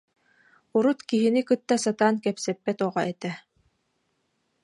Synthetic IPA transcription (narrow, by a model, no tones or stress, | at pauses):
uɾut̪kiɦinikɯt̪ːasat̪aːnkɛpsɛpːɛt̪ɔʁɔʔɛt̪ɛ